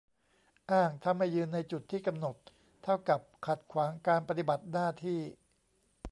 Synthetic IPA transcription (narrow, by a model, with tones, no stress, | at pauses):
ʔaː˥˩ŋt̪ʰa˧mːa˥˩jːɯː˧nːa˧jt͡ɕu˨˩t̪ʰːiː˥˩ka˧mno˨˩t̪̚ | t̪ʰa˥˩wka˨˩p̚kʰa˨˩t̪̚kʰwaː˩˦ŋkaː˧npa˧t̪i˨˩ba˨˩t̪̚naː˥˩t̪ʰiː˥˩